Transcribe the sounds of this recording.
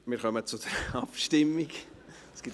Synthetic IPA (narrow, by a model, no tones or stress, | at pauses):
mɪːɾχœmət͡sʊd̥̪əɾɑpʃtɪmːiɡ | sɡ̥it